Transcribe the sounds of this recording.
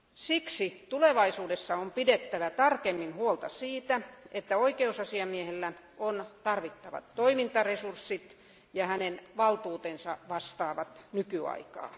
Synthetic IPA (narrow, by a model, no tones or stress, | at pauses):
siksit̪uleʋɑisuːdesːɑompidet̪ːæʋæt̪ɑrkemːinhuolt̪ɑsiːt̪æet̪ːæoikeusɑsiɑmiehelːæ | ont̪ɑrʋit̪ːɑʋɑ̰t̪ːoimint̪ɑresursːit̪ | jɑhænenʋɑlt̪uːt̪ensɑʋɑst̪ɑːʋɑt̪nykyɑ̰ikɑ̰ː